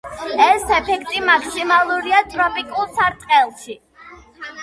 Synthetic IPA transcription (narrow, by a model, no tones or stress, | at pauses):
ɛsɛpʰɛkʰt̪ʼimakʰsimalˠuɾiat̪ʼɾɔpʼikʼulˠsaɾt̪ʼqʼɛlˠʃi